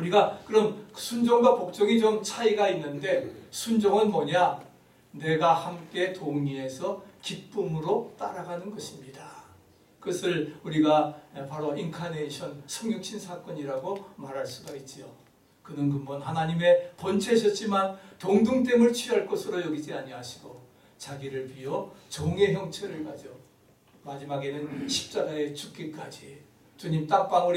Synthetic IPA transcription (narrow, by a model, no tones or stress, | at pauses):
uɾiɡakɯɾʌmsʰund͡ʑʌŋɡwapok̚t͡ɕ͈ʌɡit͡ɕomt͡ɕʰaiɡainːɯnde̞sʰund͡ʑʌŋɯnmʌɲa | ne̞ɡahamk͈e̞toŋie̞sʰʌkip͈ɯmɯɾot͈aɾaɡanɯnɡʌɕʰimɲida | kɯʌsʰɯɭuɾiɡapaɾoinkʰaneiɕʰʌnsʰʌŋjʌŋɕʰinsʰak͈ʌɲiɾaɡomaɾɦaɭs͈uɡait̚t͡ɕ͈io | kɯnɯnk̬ɯmbʌnɦanaɲime̞pʌnt͡ɕʰe̞ɕʰʌt̚t͡ɕ͈imantoŋduŋt̬e̞mɯɭt͡ɕʰɥiɦaɭk͈ʌsʰɯɾojʌɡid͡ʑiaɲiɦaɕʰi̥ɡo | t͡ɕaɡiɾɯɭpɥiʌt͡ɕoŋe̞ɦjʌŋt͡ɕʰeɾɯɭkad͡ʑo | mad͡ʑimaɡe̞nɯnɕʰi̥p̚t͡ɕ͈aɡaet͡ɕuk͈ek͈ad͡ʑi | t͡ɕuɲimt͈ak̚p͈aŋuɾ